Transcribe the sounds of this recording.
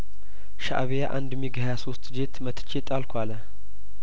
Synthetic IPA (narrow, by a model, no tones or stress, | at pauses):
ʃa̰ʔaβejaʔand̪miɡhjaso̞st̪ʼd͡ʒet̪mət̪ʰt͡ʃʰet̪ʼalkʰʷalə